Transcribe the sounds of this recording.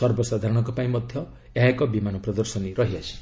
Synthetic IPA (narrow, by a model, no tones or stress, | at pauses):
sɔɾbɔsad̪ʱaɾɔɽ̃ɔŋkɔpaĩmɔd̪ʱjɔ | eɦakɔbimanɔpɾɔd̪ɔɾsɔniɾɔɦiasi̥